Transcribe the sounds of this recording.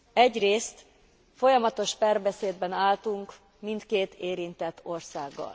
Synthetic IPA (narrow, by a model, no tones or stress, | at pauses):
ɛɟreːst̪ | fo̞jɒmɒt̪o̞ʃpaːrbɛseːd̪bɛnaːlt̪uŋk | mint̪keːt̪eːɾint̪ɛt̪ːo̞rsaːɡːɒ̰l